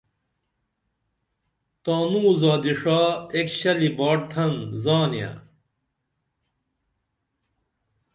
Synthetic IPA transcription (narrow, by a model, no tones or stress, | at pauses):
t̪aːnuːzaːd̪iʂaːekɕɐlibaːʈ̚t̪ʰɐnzaːnija̰